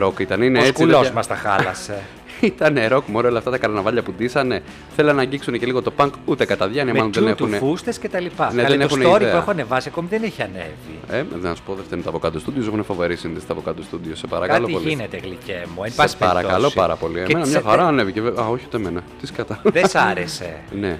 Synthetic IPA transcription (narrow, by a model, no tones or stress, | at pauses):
ɾo̞kit̪ɐnineest͡skulozmɐst̪ɐxɐ̰lɐse | it̪ɐneɾo̞kmoɾoolɐft̪ɐt̪ɐkɐɾɐnɐvɐʎɐpud̪isɐne̞ | θelenɐɲɟiksunece̞liɣo̞t̪o̞pɐŋkut̪e̞kɐt̪ɐðʝɐniɐmɐloðenext̪unefust̪escet̪ɐlipɐneððenexusneoɾieɐueoɐnevɐsiɐko̞miðeneçiɐnḛvieðenɐsu̥poðeft̪oint̪oɐvokɐt̪ost̪uðios̬exunefɐvo̞ɾisinðist̪ɐvokɐt̪ost̪uðiosepɐ̰ɾɐkɐlo̞ipolinet̪eɣlicemuenipɐsspeɐɾɐkɐlo̞spɐɾɐ̰po̞liemenɐmɲɐxɐɾɐːne̞viceeɐoçiut̪emenɐt̪iskɐt̪ɐðesɐɾese̞̰ne